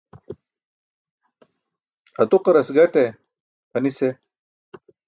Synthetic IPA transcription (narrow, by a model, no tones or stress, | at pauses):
ɐt̪uqɐɾɐsɡɐʈe | pɐnise